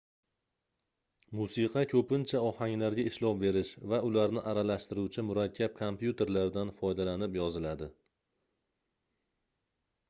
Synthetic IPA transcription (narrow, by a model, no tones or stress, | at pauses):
musiqʰɑkʲʰɵpɪnt͡ʃʰaɒhaŋlaɾɡʲaɪʃlɒpbe̞ɾɪʃvaʊlaɾnɪʔaɾalaʃt̪ɪɾuwt͡ʃʰɪmʊɾakʲʰːap̚kʰompjut̪ʰe̞ɾlaɾd̪anfɒjd̪alanɪpjɒzɪlad̪ɪ